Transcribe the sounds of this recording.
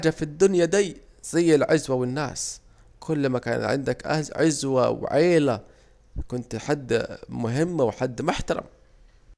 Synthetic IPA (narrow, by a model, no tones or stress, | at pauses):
aːd͡ʒafid̪ːʊnjad̪iː | z̥ajːɪlʕazwawɪnːa̰ːs | kʰʊlːmaka̰ːna̰t̪ʕɪ̰nd̪akʕɪzwaw̰ʕeːla | kʊnt̪ħad̪ːmʊɦɪmːwɪħad̪ːmʊħt̪ɑɾˤɑ̰m